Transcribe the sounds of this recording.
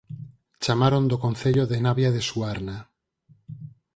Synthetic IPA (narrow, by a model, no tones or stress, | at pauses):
t͡ʃamaɾond̪okonθeʎoðenaβjaðesuaɾna